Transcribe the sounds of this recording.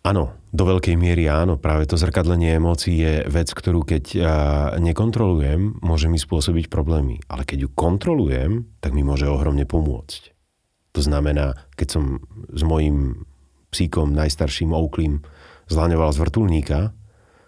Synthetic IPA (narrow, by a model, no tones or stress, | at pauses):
ʔaːnɔ | d̪ɔʋɛʎkɛjmɪɛɾiaːnɔpɾaːʋɛt̪ɔzr̩kad̪lɛɲɪɛɛmɔːt͡siːjɛʋɛt͡skt̪ɔɾuːkɛɟ | ɲɛkɔnt̪ɾɔlujɛmːʊɔʒɛmispʊɔsɔbicpɾɔblɛːmḭʔa̰lɛkɛɟjukɔnt̪ɾɔlujɛmt̪aɡmimʊɔʒɛɔɦɾɔmɲɛpɔmʊɔ̰t͡sc | t̪ɔznamɛnaːkɛcsɔmzmɔjim | psikɔmnajst̪aɾʃiːmɔʊkliːmzlaɲɔʋalazʋr̩t̪ulɲiːka